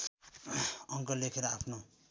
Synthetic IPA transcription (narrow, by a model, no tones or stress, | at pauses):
ʌŋkʌlekʰeɾʌapʰno